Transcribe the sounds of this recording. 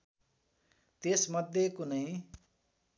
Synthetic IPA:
t̪esmʌd̪ʱjekunʌĩ

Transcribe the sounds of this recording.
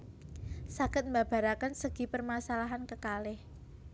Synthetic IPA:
sakɪt̪̚mbab̥a̤ɾakənsəɡ̥i̤pərmasalaɦankəkalɪh

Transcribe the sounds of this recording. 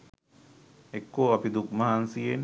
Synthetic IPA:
ekːoːapid̪ukmaɦansijen

